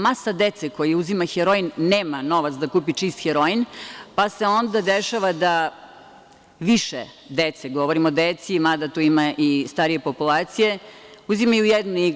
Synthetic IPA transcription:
masad̪et̪seko̞jiuzimaxeɾoinːeːmano̞ʋat̪sd̪akuːpit͡ʃist̪xeɾoinpase̞o̞nd̪ad̪eʃaʋad̪a | ʋiʃḛ | d̪et̪seɡo̞ʋoɾimod̪et̪simad̪at̪uimaʔist̪aɾije̞po̞pulˠaːt̪sije̞uzimajujed̪nuiɡ

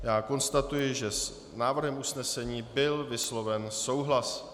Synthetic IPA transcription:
jaːko̞nst̪at̪ujɪʒɛs | naːvr̩ɦɛmʔusnɛsɛɲiːbɪlvɪslo̞vɛnso̞wɦlas

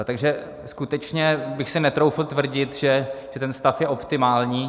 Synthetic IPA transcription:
t̪aɡʒɛ | skut̪ɛt͡ʃɲɛbɪxsɪnɛt̪ɾowflt̪vr̩ɟɪt̪ʒɛʒ̥ɛt̪ɛnst̪afjɛʔo̞pt̪ɪmaːlɲiː

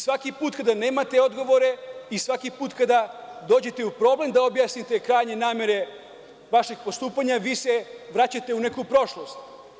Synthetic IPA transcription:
sʋakipuːt̪kad̪ane̞ːmat̪e̞o̞d̪ɡo̞ʋo̞ɾe̞isʋakipuːt̪kad̪ad̪o̞ːd͡ʑe̞t̪e̞upɾo̞ble̞md̪aobjasnit̪e̞kɾaːjɲe̞naːme̞ɾe̞ | ʋaʃiɡpost̪uːpaɲaʋiːseʋɾat͡ɕat̪e̞une̞kupɾo̞ʃlˠo̞st̪

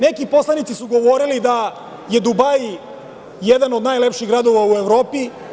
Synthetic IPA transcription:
nekipo̞slˠanit̪sisuɡo̞ʋoɾilid̪a | je̞d̪ubaj | jed̪anod̪najle̞pʃiɣɡɾad̪o̞ʋaue̞ʋɾoːpi

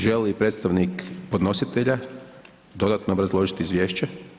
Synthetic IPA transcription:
ʒelipɾeːt̪st̪aʋnikpo̞d̪no̞sit̪eʎa | d̪o̞d̪at̪noobɾazlˠo̞ʒit̪iizʋje̞ːʃt͡ɕe

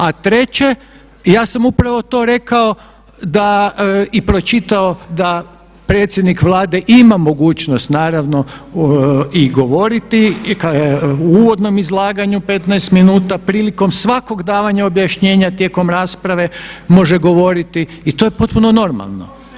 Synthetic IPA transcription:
at̪ɾe̞t͡ɕe̞ | jaːsamupɾaʋo̞t̪o̞ːɾe̞kao̞ | d̪aipɾo̞t͡ʃit̪ao̞d̪a | pɾe̞ːt̪sʲje̞d̪nikʋlˠaːd̪e̞ʔimamo̞ɡuːt͡ɕno̞st̪naːɾaʋno̞ | iɡo̞ʋo̞ɾit̪ikauːʋo̞d̪no̞mizlˠaːɡaɲupe̞t̪najst̪minuːt̪apɾiːliko̞msʋako̞ɡd̪aːʋaɲao̞bjaʃɲe̞ːɲat̪je̞ːko̞mɾaːspɾaʋe̞mo̞ʒeɡo̞ʋo̞ɾit̪iːt̪o̞jep̞t̪̚puno̞no̞ɾma̰lˠno̞̰

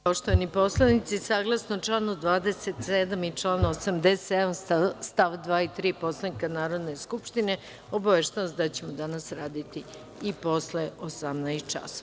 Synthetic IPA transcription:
poʃt̪oʋanipo̞slˠanit̪sisaːɡlˠasnot͡ʃlaːnud̪ʋaːd̪eset̪sed̪amit͡ʃlaːnosamd̪esed̪amst̪aʋd̪ʋaːit̪ɾiːpo̞slˠanikanaːɾo̞d̪ne̞skupʃt̪ine̞ | o̞baʋeʃt̪anoszd̪at͡ɕe̞mod̪anasɾaːd̪it̪i | ipo̞sleosamnajst̪̚t͡ʃa̰so

